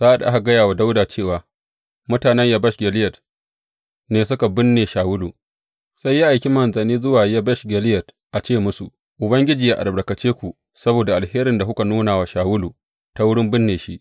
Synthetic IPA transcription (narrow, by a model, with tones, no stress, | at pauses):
z̥aː˦ʔa˦ɗa̰˨ʔa˦ka˨ɡɐ˦jaː˨wa˨da˦wdaː˨t͡ʃeː˦˨waː˨ | mʊ˦taː˨nɛ˦ɲja˦bɐ˦ʃɡʲɛ˨lɪ˦jɐ˨t | neː˨s̬ʊ˦ka˨bɪ˦nːeː˨ʃaː˨wʊ˦luː˨ | sa˦jːi˦ʔa˨jkʲi˦mɐ˨nzɐ˨niː˦zʊ˦waː˨ja˦bɐ˦ʃɡʲɛ˨lɪ˦jɐ˨t | ʔa˨t͡ʃeː˦˨mʊ˦su˨ | ʔʊ˨bɐ˦ŋɡʲɪ˦d͡ʒiː˨jaː˦˨ʔa̰˨bɐ˨kɐ˨t͡ʃeː˦kʷu˨ | sɐ˦boː˨da˨ʔa˨lheː˦ɾɪ˨nda˨hʊ˦ka˨nuː˦naː˨wa˨ʃaː˨wʊ˦luː˨ | ta˦wʊ˦ɽɪ˦mbɪ˦nːeː˨ʃi˦ʔ